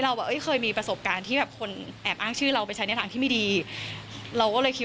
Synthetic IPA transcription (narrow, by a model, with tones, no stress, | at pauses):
ɾa˧wbɛː˨˩ʔɤ˦˥˩jxʰɤː˧jmiː˧pɾa˧so˨˩p̚kaː˧nt̪ʰiː˥˩bɛː˨˩p̚kʰo˧nʔɛː˨˩p̚ʔaː˥˩ŋt͡ɕʰɯː˥˩ɾa˧wpa˧jt͡ɕʰa˦˥jnɛ˥˩t̪ʰaː˧t̪ʰiː˥˩iː˧˥˩diː˧ | ɾa˧wkɔː˥˩lɤː˧jkʰi˦˥